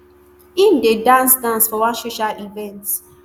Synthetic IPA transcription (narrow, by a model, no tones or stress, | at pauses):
ĩndedãnsdãnsfɔwaʃoʃaʔivɛ̃nts